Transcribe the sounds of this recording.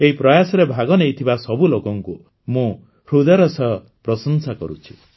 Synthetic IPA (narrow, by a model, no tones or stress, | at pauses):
eɦipɾɔjasɔɾebʱaɡɔnejt̪ʰibasɔbulokɔŋku | mũ | ɾud̪ɔɾɔsɔ | pɾɔsɔnsakɔɾut͡ʃʰi̥